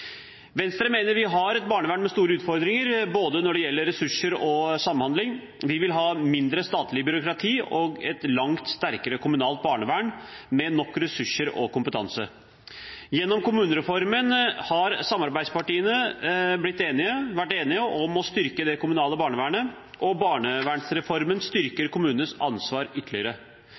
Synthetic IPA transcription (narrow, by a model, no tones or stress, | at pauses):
ʋɛnst̪ɾəmeːnəɾʋɪɦɑɾɛt̪̚bɑːɳəʋæːɳmɛst̪uːɾəʉːt̪fɔɾd̪ɾɪŋəɾboːd̪ənɔɖɛjɛlːəɾːɛsʉʂəɾɔsɑmhɑnd̪lɪŋ | ʋɪʋɪlɦɑːmɪnd̪ɾəst̪ɑːt̪lɪbʏɾʊkɾɑt̪ʰiːɔɡɛt̪lɑŋt̪st̪æɾkəɾəkʰʊmʉnɑːlt̪̚bɑːɳəʋæːɳmɛnɔkːɾɛsʉʂːəɾɔ̰kʊmpət̪ʰɑ̰nsə̰ | jɛnːɔmkʊmʉːnəɾɛfɔɾmənhɑɾsɑmːɑɾbæɪspɑʈiːənəblɪt̪ːeːnɪəʋæʈːeːnɪəʔɔmɔst̪ʏɾkəd̪ɛkʰʊmʉnɑːləbɑːɳəʋæːɳə | ʔɔbɑːɳəʋæːɳsɾɛfɔɾmənst̪ʏɾkəɾkʰʊmʉːnənəsɑnsʋɑːɾʏt̪ʰːəlɪəɾə